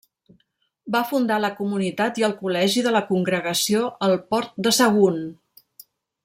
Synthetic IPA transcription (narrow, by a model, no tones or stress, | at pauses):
bafund̪aləkumunit̪at̪iəlˠkulɛʒiðələkuŋɡɾəɣəsioʔəlˠpɔɾt̪̚d̪əsəɣun